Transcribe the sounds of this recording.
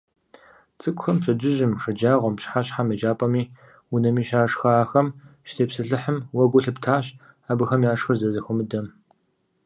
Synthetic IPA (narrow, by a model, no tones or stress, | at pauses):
t͡sʼɨkʷʼxɐmt͡ɕʷʰɐd͡ʒɪʒɪmʂɐd͡ʒaːʁʷɔmpɕħaɕħamed͡ʒaːpʼɐmiː | ʊnɐmiːʃaːʂxɐːxɐmʃtʰeːpsɨɬɨħəmwɐɡʷʊɬɨptʰaːɕ | aːbɨxɐmjaːʂxɨrzɐzɐxʷʊmɨdɐm